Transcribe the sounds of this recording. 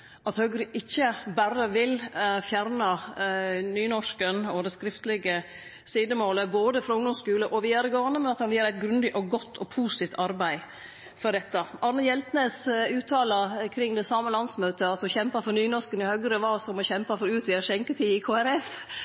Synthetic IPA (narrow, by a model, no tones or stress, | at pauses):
ɑt̪hœɡɾʏʔɪçːəbæɾəʋɪlfjæɾnɑ | nyːnɔʂkənɔd̪ɛskɾɪft̪lɪɡə | siːd̪əmoːləboːd̪əfɾɔʊŋd̪ɔmskʉːləʔɔʋɪɑɾɡɑːnəmɛnɑt̪hɑnʋiːɾæɪt̪ɡɾʉnd̪ɪʔɔɡɔt̪ʰːɔpʰuːst̪iːft̪ʰɑɾbæɪ | fɔɖɛt̪ːəʔɑɾnəjɛlt̪neːsʉːt̪ʰɑːləkʰɾɪŋːd̪ɛsɑːməlɑnsmøːt̪əɑt̪ɔçɛmpɑfɔɾnyːnɔʂkənɪhœɡɾɪʋɑːsɔmɔçɛmpɑfɔɾʉːt̪ʋɪɑʂɛŋkət̪ʰiːɪkʰoːæɾɛf